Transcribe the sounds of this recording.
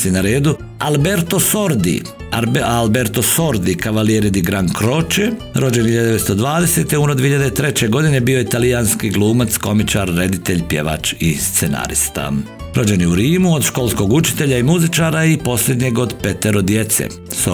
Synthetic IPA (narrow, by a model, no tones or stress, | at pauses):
inaɾeːd̪u | albeɾt̪o̞soɾd̪ḭ | albeɾt̪osoɾd̪ikaʋalieɾid̪iɡɾaŋkɾo̞t͡ʃeɾo̞d͡ʑenhiʎad̪eest̪od̪ʋaːd̪ese̞t̪euːnod̪ihiʎad̪et̪ɾe̞t͡ɕe̞ɡo̞d̪ine̞biːoit̪alijanskiɡlˠuːmat̪sko̞mit͡ʃaɾːe̞d̪it̪eʎʲpje̞̰ʋa̰t͡ʃist̪sena̰ɾḭst̪a̰ | ɾo̞d͡ʒe̞niuɾiːmuod̪ʃko̞ːlˠsko̞ɡut͡ʃi̥t̪e̞ʎaimuzit͡ʃaːɾaipo̞sʎʲe̞d̪ɲeɡo̞d̪pe̞t̪eɾod̪je̞t̪sḛ | so